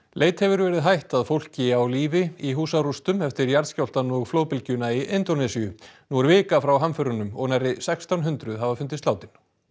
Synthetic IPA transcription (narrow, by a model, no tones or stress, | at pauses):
leːjt̪hɛvʏɾvɛːɾɪðɦajht̪aðfowl̥cɪawliːvɪiɦuːsarust̪ʏmɛft̪ɪɾjaɾðscawl̥t̪anɔɣflowðpɪlcʏnaiʔejnt̪onɛsijʏnuaɾvɪːkafɾawɦamfœɾʏnʏmɔɣnajrɪsɛkst̪awnɦʏnt̪ɾʏðɦavafʏnt̪ɪst̪awt̪ɪn